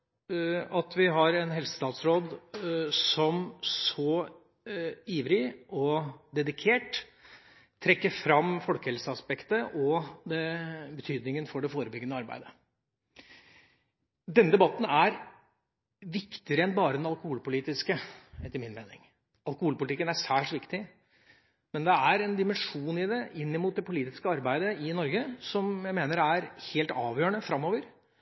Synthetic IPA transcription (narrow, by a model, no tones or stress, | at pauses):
ɑt̪ʋɪɦɑɾɛnɦɛlsə̥st̪ɑːt̪sɾoːd̪sɔmsɔ | iːʋɾɪʔɔd̪ɛd̪ɪkʰeːʈ̪ʰ | ɾɛkːəɾfɾɑmːfɔlkəhɛlsəɑspɛkt̪əʔɔd̪ɛbət̪ʰyːd̪nɪŋənfɔɖɛfoːɾəbʏɡːənəɑɾbæ̰ɪd̪ə | d̪ɛnːəd̪ɛbɑt̪ːn̩æɾ | ʋɪkt̪ɪəɾəɛnbɑːɾəd̪ɛnɑlˠkʊhuːlpʊliːt̪ɪskəɛt̪ːəɾmɪnmeːnɪ̰ŋ | ɑlkʊhuːlpʊlɪt̪ɪkːənæʂæːʂʋɪkt̪ɪ | mɛnd̪ɛæɾɛnd̪ɪmɛnʂuːnɪd̪ɛʔɪnːɪmuːt̪̚d̪ɛpʊliːt̪ɪskəɑɾbæɪd̪əɪnɔɾɡəsɔmjæɪmeːnəɾæɾheːlt̪ɑːʋjøːəɳəfɾɑmːoːʋəɾ